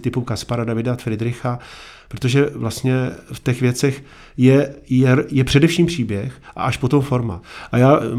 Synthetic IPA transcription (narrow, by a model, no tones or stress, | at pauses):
t̪ɪpukaspaɾadavɪdafɾɪdɾɪxa | pɾot̪o̞ʒɛvlast̪ɲɛft̪ɛxvjɛt͡sɛx | jɛjɛjɛpr̝̥ɛdɛfʃiːmpr̝̥iːbjɛxʔa̰ʔaʃpo̞t̪o̞mfo̞ɾma̰ʔajaː